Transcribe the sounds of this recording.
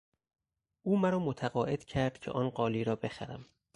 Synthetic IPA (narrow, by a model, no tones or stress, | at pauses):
ʔuːmæɾɒːmot̪ʰæɣɒːʔe̞d̪̥cʰæɾd̪̥̚cʰḛʔɒːnɢɒːliːɾɒːbe̞xæɾæm